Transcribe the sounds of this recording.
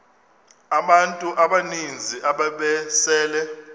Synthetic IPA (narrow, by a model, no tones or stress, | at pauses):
aɓantʼuʔaɓanind͡zʱiʔaɓaɓɛsɛːlɛ